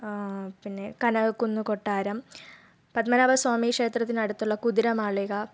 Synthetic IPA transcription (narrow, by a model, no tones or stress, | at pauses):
pinːe̞kɐnɐɐkːunːukoʈːaːɾɐm | pɐd̪mɐnaʋɐswaːmikʂeːt̪rɐt̪̬ːinɐɽut̪ːuɭːɐkud̪iɾɐmaːɭiɣɐ